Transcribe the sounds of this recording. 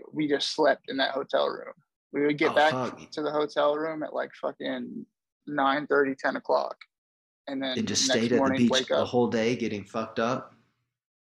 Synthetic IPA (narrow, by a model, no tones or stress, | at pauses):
wid͡ʒʌstslɛp̚tɨ̃nðɨ̰ʔ̚hoʊtʰɛ̰lˠɹʉ̰̃m | wiwɨd̚ɡɛb̥ækʌk̚tʰɨðəɦoʊtʰɛlˠɹʉ̃mɨ̰ʔla̰ɪkfʌkɪ̃nː | ãɪ̃nθɜ˞ɾitʰɛ̃nəkʰl̥ɑ̰k | ɨ̃nðɨ̃nɨd͡ʒʌssteɪɾɨtɔɹnɪ̃biweɪkʌəhoʊlˠdeɪɡɛɾɪ̃ŋfʌk̚tʌp̚